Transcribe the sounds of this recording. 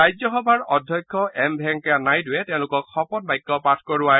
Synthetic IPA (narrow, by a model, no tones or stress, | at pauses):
ajzɔxɔbʱaɹɔdʱjɔjkʰːɔʔɛmbʱɛŋkanajtʊɛtɛʊ̃lʊkɔkxɔpɔnbajkːɔpatʰkɔɹʊa